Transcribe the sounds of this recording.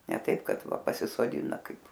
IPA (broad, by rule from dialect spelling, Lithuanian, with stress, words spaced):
nʲɛ ˈtɐɪp ˈkɐt ˈʋɐ pɐsʲɪsoːˈdʲɪnɐ ˈkɐɪp